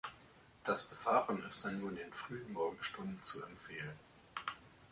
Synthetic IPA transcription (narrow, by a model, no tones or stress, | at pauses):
d̥asb̥əvaːʁənɪst̚d̥anːuːɐdeːnfʁ̥yːənmɔɐɡŋ̩ʃtʊndn̩t͡suɛmfeːlən